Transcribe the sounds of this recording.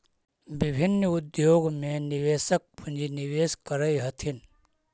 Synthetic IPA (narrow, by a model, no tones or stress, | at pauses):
bɪbʱɪnːʊd̪joːɡmẽnɪʋeːsək̚pʰʊ̃nd͡ʒinɪʋeːskɐɾəjɦɐt̪ʰin